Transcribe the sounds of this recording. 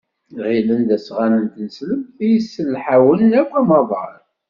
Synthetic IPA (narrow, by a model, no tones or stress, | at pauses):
ʁilənd̪æsʁanənt̪ənəsləmθijəsːəlħawəlːækːæmɑðˤɑɾ